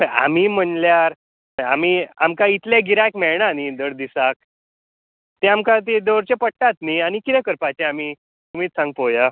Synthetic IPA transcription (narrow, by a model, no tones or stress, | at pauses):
əa̰m̤iːm̤əɳljaɾ | a̰m̤iamkait̪leɡiɾakmɛɭɳanid̪əɽd̪isak̚ | t̪eamkãt̪̬id̪oɾt͡ɕepəʈʈat̪niañikit̪ɛ̃kəɾpat͡ɕeami | um̤iːt̪sãŋɡpoja